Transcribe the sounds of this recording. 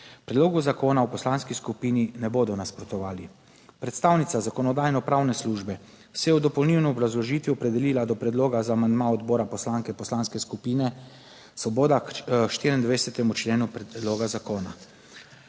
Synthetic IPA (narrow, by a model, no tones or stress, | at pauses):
pɾɛd̪loːɡuzakoːnawpɔslaːnskiskupiːninɛboːd̪ɔnaspɾɔt̪ɔʋaːli | pɾɛt̪st̪aːwnit̪sazakɔnɔd̪aːjnɔpɾaːwnɛsluːʒbɛ | sɛjɛwd̪ɔpɔlniwnɔɔbɾazlɔʒiːt̪ʋiɔpɾɛd̪ɛliːlad̪ɔpɾɛd̪loːɡazaːmand̪maɔd̪bɔːɾapɔslaːŋkɛpɔslaːnskɛskupiːnɛ | sɔboːd̪akʃt̪iːɾind̪ʋɛjsɛt̪ɛmut͡ʃleːnupɾɛd̪loːɡazakoːna